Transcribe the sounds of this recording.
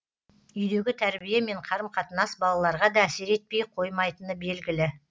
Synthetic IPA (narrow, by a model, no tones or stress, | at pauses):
ʏjd̪e̞ɡʲɪt̪ʰæɾbijeme̞ɴqʰɑɾəmqʰɑt̪ənɑsbɑlˠɑlˠɑɾʁɑd̪ɑːse̞ɾe̞t̪̚pe̞jqʰo̞jmɑjt̪ənəbe̞lɡʲɪlɪ